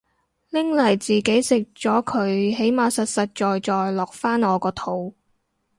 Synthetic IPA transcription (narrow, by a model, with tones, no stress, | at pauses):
lɪ˥ŋlɐ˨˩jt͡siː˨ke˨˥jsɪ˨k̚t͡ʃɔː˨˥kʰɵ˨˧˥ɥɦe˨˥jmaː˨˧sɐ˨t̚sɐ˨t̚t͡ʃɔː˨jt͡ʃɔː˨jlɔː˨˩k̚faː˥nɔː˨˧kɔː˧t̪ʰo˨˥w